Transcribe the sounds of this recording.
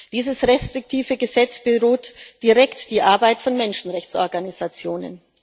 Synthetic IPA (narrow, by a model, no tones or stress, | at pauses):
d̥iːzəsʁɛstʁ̥ɪk̚tʰiːvəɡəzɛt͡sb̥əʁoːtd̥iʁɛktd̥iːʔaɐbaɪtfɔnmɛnʃn̩ʁɛçt͡sʔɔɐɡanizat͡sjoːnə̰n